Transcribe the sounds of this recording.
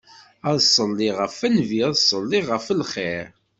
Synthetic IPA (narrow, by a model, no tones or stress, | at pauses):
æðsˤəlːiʁəfænviæðsˤəlːiʁəfəlχeɾ